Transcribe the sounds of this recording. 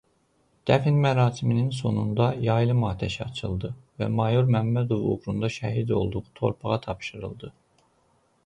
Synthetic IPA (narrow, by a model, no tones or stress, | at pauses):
d̪̥æfinmæɾɑːsimininso̞nund̪ɑjɑjlˠɯmɑːt̪ʰæʃɑt͡ʃʰɯlˠd̪ɯvæ̰mɑjuɾmæmːæd̪o̞vṵɣɾund̪ɑʃæ̰ɦid̪o̞̰lˠd̪uʁut̪ʰo̞̰ɾpʰɑʁɑt̪ʰɑpʃɯɾɯ̰lˠd̪ɯ